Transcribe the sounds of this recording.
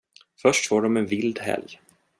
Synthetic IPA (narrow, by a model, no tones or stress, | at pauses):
fœʂʈfoːɖɔmɛnvɪld̪ɦɛ̰lj